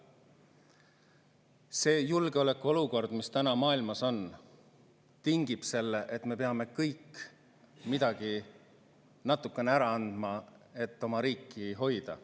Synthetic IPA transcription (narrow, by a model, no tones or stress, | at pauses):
se̞ːjulɡeo̞le̞kːˑuo̞luko̞rd̪̥mist̪ænɑmɑːilmɑso̞n | t̪iŋɡ̥ib̥se̞lːeʔe̞t̪me̞pe̞ɑme̞kɤjk | mid̪̥ɑɡ̥i | nɑt̪ːˑukːˑe̞neæɾɑɑnd̪̥mɑe̞t̪ːˑo̞mɑɾiːkˑːiɦo̞jd̪̥ɑ̰